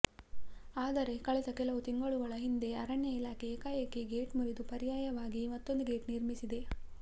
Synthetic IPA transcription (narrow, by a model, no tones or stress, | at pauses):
aːd̪ɐɾe̞kɐɭɛd̪ɐkɛlɐʋut̪iŋɡɐɭuɡɐɭɐɦind̪e̞ɐɾɐɳjɐilaːkʰeːkaːjɐkːeɡeːʈmuɾid̪upɐɾijaːjɐʋaːɡimɐt̪ːo̞nd̪uɡe̞ːʈniɾmisid̪e̞